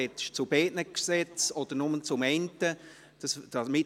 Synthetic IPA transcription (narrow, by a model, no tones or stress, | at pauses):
ɛt͡st͡subɛːʔnəksɛt͡sɔd̥əɾnʊmənt͡sʊmɛntə | d̥ɑsd̥ɑsmɪ